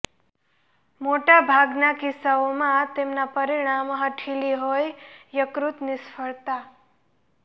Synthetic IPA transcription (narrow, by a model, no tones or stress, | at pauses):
moʈabʱaɡnakisaomãt̪emnapəɾɪɽ̃amɦəʈʰiliɦojjəkɾut̪nisfəɭt̪a